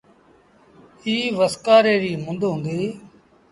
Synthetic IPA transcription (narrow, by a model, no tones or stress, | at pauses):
iːʋəskaːɾeːɾiːmʊnd̪ɦʊ̃nd̪iː